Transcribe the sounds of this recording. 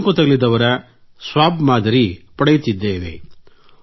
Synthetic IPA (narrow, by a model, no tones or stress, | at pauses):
kut̪ɐɡɐɭid̪ɐʋɐɾɐ | sʋaːbmaːd̪ʱɐɾipɐɽɐjut̪id̪ːeːʋḛ